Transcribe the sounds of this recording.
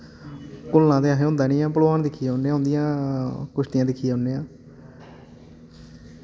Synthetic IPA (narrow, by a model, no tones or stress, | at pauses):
kʊlːãːt̪eːaːɦeːõːnd̪aːnĩːãːpəlaːnd̪ɪkʰːijaʊnẽːoʊ̃ːnd̪ijãːkʊʃt̪ɪjãːd̪ɪkʰːijaːoʊnːeːãː